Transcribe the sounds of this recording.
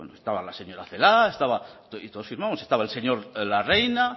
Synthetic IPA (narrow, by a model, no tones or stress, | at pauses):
ḛnoest̪aβalaseɲo̞ɾaθelaest̪aβat̪oit̪oðosfiɾmamosest̪aβaelse̞ɲo̞ɾlarejna